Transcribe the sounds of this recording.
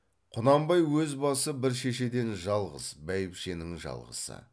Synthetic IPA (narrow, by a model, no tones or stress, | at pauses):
qʰʊnɑmbɑjwɵzbɑsəbɪɾʃe̞ʃe̞d̪e̞nʒɑlˠʁə̰zbæjɪpʃe̞nɪŋʒɑ̰lˠʁə̰sə̰